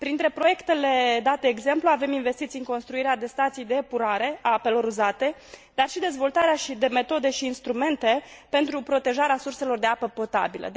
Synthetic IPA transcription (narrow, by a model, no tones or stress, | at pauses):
pɾint̪ɾe̞pɾo̞je̞kt̪e̞le̞d̪at̪e̞ːɡze̞mpluave̞minve̞st̪it̪sijɨŋko̞nst̪ɾuiɾead̪e̞st̪at̪sijd̪e̞puɾaɾe̞ʔaape̞lo̞ɾuzat̪e̞d̪arʃid̪e̞zvo̞lt̪aɾeaʃid̪e̞me̞t̪o̞d̪e̞ʃiːnst̪ɾume̞nt̪e̞pe̞nt̪ɾupɾo̞t̪e̞ʒaɾeasurse̞lo̞rd̪e̞apəpo̞t̪a̰bilə̰